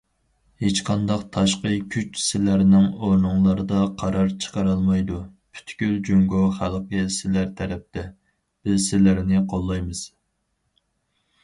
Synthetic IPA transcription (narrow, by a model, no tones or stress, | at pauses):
het͡ʃqʰɑnd̪ɑqt̪ʰɑʃqəkʲʰyt͡ʃsɪlæɾnɪŋoɾnuŋlˠɑɾɨd̪ɑqʰɑɾɑɾt͡ʃʰə̥qɑɾɑlˠmɑjd̪upʰy̥t̪kʲyld͡ʒyŋɡoχælˠqəsɪlæɾt̪ʰɛɾɛp̚t̪ʰɛ | b̥ɪzsɪlæɾnɪqʰolˠːɑjmɨz̥